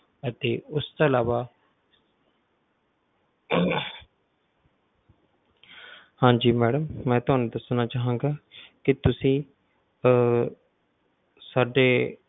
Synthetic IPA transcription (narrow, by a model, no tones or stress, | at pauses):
ət̪eːʊst̪oːlaːʋaː | hãːd͡ʒiːmɛːɖəmːɛ̃ːt̪ʊɦaːnũːd̪əsnaːt͡ʃaːɦãːŋɡaːkɪt̪ʊsĩː | saːɖeː